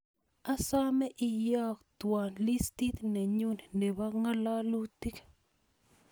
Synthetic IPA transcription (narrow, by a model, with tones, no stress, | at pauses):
a˦sɔ˦mɛ˦ʔɪ˨jɔ˦kt̪wɔ˨nli˦sti˦t̪nɛ˨ɲu˦ni˨ne˨ba˦ŋa˦lɔ˦lu˦t̪i˦ke̥